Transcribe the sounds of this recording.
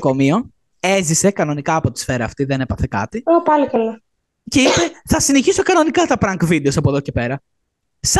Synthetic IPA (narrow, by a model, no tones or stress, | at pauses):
komio | e̞zise̞kɐno̞nikɐːpo̞t̪i̥sfe̞ɾɐːft̪iðenepɐθekɐ̰t̪iopɐlokɐlɐ | ceipe̞θɐsineçisokɐno̞nikɐt̪ɐpɾɐŋkvid̪eo̞sɐpoðo̞ce̞pe̞ɾɐ | s